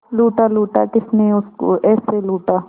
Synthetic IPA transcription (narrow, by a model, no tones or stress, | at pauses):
luːʈaluːʈaːd͡ʒɪsnẽʊskoɛːseluːʈaː